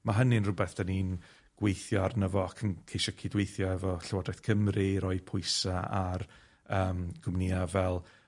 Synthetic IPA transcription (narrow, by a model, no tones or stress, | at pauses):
maɦənɪnrʊbɛθd̥aniːn | ɡ̥wejθjɔarnəvɔakʰənkʰejʃɔkʰidwejθjɔɛvɔɬɛwɔdrɛθkʰəmriɾɔɨpʰʊɨsaar | əːmɡ̥ʊmniavɛlˠ